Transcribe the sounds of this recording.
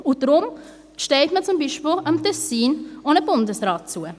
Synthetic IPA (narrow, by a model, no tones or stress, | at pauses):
ʊdɾʊm | ʃtɛɪtmət͡sʊmbiːʃpiːlamtʰɛsiːnʔonəbʊndəsʁɑːt̚t͡suə